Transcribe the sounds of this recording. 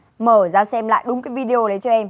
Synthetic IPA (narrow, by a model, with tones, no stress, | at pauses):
məː˨˩zaː˧sɛ˧mla̰ː˧˨jɗʊ˨˦ŋ͡mkaː˨˦vi˧ɗe˧o˧ɗə˨˦jt͡ɕɔ˧ʔɛ˧m